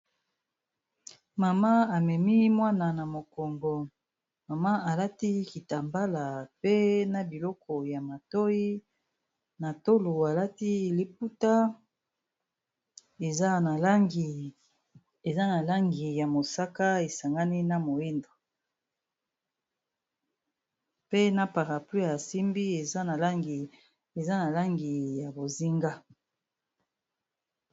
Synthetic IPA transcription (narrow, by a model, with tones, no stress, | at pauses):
ma˨ma˦a˨mɛ˨mi˦mwa˦na˨na˨mo˨kɔ˨ŋɡɔ˨ | ma˨ma˦a˨la˦ti˦ki˨ta˨mba˦la˨pe˦na˨bi˨lɔ˦kɔ˨ja˨ma˨to˦i˦ | na˨to˦lu˨a˨la˦ti˦li˨p̚u˦ta˦ | e˨za˦na˨lŋɡi˨ | e˨za˦na˨la˦ŋɡi˨ja˨mo˨sa˦ka˦e˨sa˨ŋɡa˦ni˦na˦mo˨i˦ndo˨ | pe˦na˦pa˨ʁa˨pli˦a˨si˦mbi˦e˨za˦na˨la˦ŋɡi˨ | e˨za˦na˨la˦ŋɡi˨ja˨bo˨zi˦ŋɡa˦